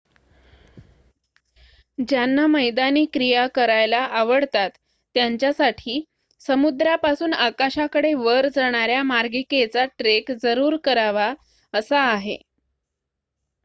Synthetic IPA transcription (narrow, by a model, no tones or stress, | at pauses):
d͡ʑjanːaməjd̪aniːkɾijakəɾajlaʔaʋəɽt̪at̪ː | jaɲt͡ɕjasaʈʰiː | səmud̪ɾjapasuːnakaɕakəɽeʋəɾd͡zəɽ̃aɾjamaɾɡiket͡saʈɾekd͡zəɾuːɾkəɾaʋa | əsaːɦḛ